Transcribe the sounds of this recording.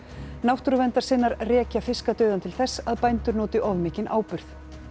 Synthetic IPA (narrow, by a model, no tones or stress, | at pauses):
nawht̪ɾʏvɛnt̪aɾ̥sɪːnːaɾrɛːcafɪskat̪œːɥðant̪ʰɪlθɛsːaðpajnt̪ʏɾnɔːt̪ɪʔɔvmɪːcɪnʔa̰ːwpʏɾ̥θ